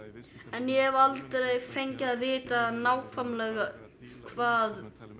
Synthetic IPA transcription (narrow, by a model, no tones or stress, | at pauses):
ɛnjɛɛvalt̪ɾejfejɲcɪːðvɪːt̪anaːwkʰvamlɛɣa | kʰvaːð